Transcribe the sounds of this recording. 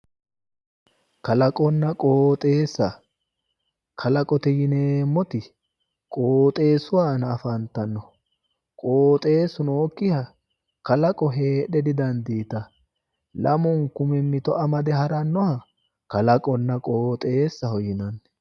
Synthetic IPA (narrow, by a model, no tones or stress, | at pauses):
kɐlɐkʼɔnːɐkʼoːt̪ʼe̞ːsːɐ | kʰɐlɐkʼɔt̪ɪjɪneːmːɔt̪ɪ | kʼoːt̪ʼe̞ːsʊwaːnːfɐnt̪ːɐnːɔ | kʼo̞ːt̪ʼe̞ːsʊnoːkːɪhɐ | kɐlɐkʼɔɦe̞ːɗɛd̪ɪd̪ɐnd̪iːt̪ɐ | lɐmɔŋkʊmɛmːɪt̪ɔʔɐmɐd̪ɛɦɐɾɐnːɔhɐ | kɐlɐkʼɔnːɐkʼoːt̪ʼe̞ːsːɐhɔjɪnɐnː